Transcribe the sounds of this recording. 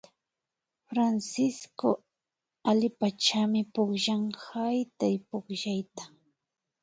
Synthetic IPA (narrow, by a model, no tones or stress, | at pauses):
fɾansɪsko̰ | alɪpat͡ʃamɪpʊχʒaŋhajt̪ajpʊχʒajt̪ḁ